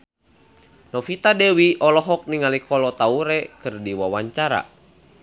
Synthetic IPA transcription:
nɔfit̪adɛwiʔɔlɔɦɔk̚niŋalikɔlɔt̪auɾɛkɨrdiwawaɲt͡ʃaɾa̰

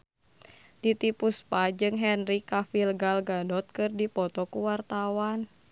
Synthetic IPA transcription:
d̥it̪ipuspad͡ʒɨŋɦɛnrikafilɡalɡadɔt̪̚kɨrdipɔt̪ɔkuwart̪awan

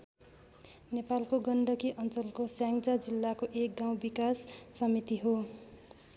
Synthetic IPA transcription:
nepalkoɡʌɳɖʌkiʔʌnt͡sʌlkosjaŋɡd͡zad͡zilːakoʔek̚ɡaw̃bikasːʌmit̪iɦo

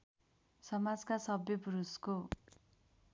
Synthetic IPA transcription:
sʌmad͡zkasʌbjʌpuɾusko

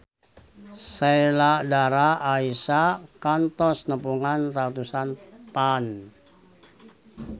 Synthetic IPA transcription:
sajladaɾaːisakant̪ɔsnəpuŋanrat̪usanpan

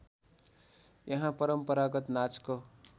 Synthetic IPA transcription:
jʌɦãpʌɾʌmpʌɾaɡʌt̪nat͡sko

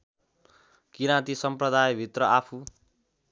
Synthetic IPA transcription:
kiɾat̪isʌmprʌd̪ajbʱit̪rʌapʰu

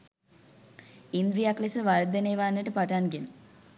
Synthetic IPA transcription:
ind̪ɾijaklesəʋaɾd̪eneːʋaːnːəʈəpaʈanɡen

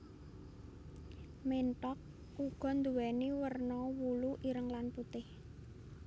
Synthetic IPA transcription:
menʈɔk̚ | uɡ̥ɔ̤nd̪uwɛniwərnɔwuluʔiɾəŋlanput̪ɪh

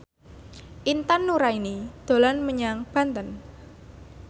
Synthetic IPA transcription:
ʔint̪anːuɾainid̪̥o̤lanməɲaŋb̥a̤nt̪ən

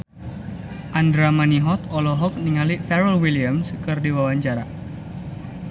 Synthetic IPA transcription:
ʔandɾamaniɦɔt̪ɔlɔɦɔk̚niŋalifɛɾəlwiliamskɨrdiwawaɲt͡ʃaɾa̰

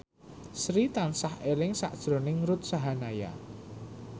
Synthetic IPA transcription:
sɾit̪ansahelɪŋsa̰ʔd̥ʒ̥ɾo̤nɪŋɾʊt̪̚saɦanaja̰

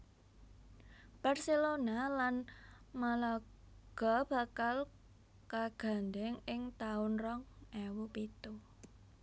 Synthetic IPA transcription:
b̥arselonalan | mala | ɡ̥ɔ̤b̥a̤kal | kaɡ̥a̤nd̪ɛŋɪŋt̪aʊnrɔŋɛwupit̪u

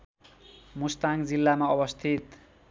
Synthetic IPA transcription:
must̪aŋd͡zilːamaʌbʌst̪ʰit̪

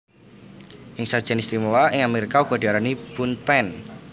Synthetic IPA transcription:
ʔɪŋsad̥ʒ̥a̤nist̪imowaɪŋameɾikauɡ̥ɔ̤d̥̪i̤aɾanib̥unpɛn

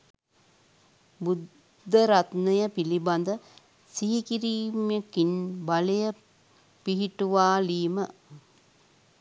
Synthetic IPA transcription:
bud̪ʱː | əɾat̪nəjəpiliband̪ə | siɦikiɾiːmjekinbalejə | piɦiʈuʋaːliːmə

